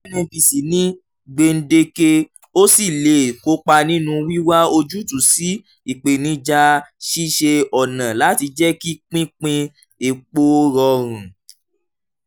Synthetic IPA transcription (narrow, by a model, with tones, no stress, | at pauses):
nĩ˧bi˨si˨nĩ˦ | ɡ͡be˧n̩˦de˧ke˧ | o˦si˦˨le˨ko˧˦k͡pa˧nĩ˦nũ˧wi˦wa˦o˧d͡ʒu˦tu˨si˨˦ | i˨k͡pe˨nĩ˧˦d͡ʒa˧ʃi˦ʃe˧ɔ˨nã˨la˨˦ti˧d͡ʒɛ˦ki˦k͡pĩ˦k͡pĩ˧ | e˨k͡po˦ɾɔ˧ɾ̃ũ˨